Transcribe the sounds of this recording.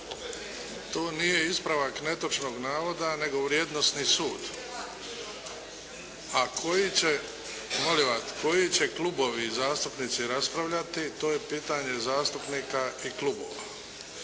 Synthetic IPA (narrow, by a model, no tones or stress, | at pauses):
t̪o̞ːnije̞ispɾaʋakne̞t̪ot͡ʃno̞ːɡnaːʋo̞d̪ane̞ɡo̞ʋɾjeːd̪nost̪nisuːd̪ | akʰo̞jit͡ɕe | moliʋat̪ko̞jit͡ɕe̞klubo̞ʋizaːst̪upnit̪siɾaspɾaʋʎat̪it̪o̞ːje̞piːt̪aɲe̞zaːst̪upnikaiklˠubo̰ʋa̰